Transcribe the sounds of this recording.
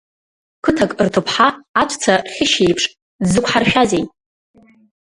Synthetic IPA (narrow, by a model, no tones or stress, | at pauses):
kʰɨtʰakʼrtʰopʰħaːt͡ʃʷʰʼt͡sʰarχʲɪʃejpʰʂʼ | zɨkʷʰħarʃᶣazejʼ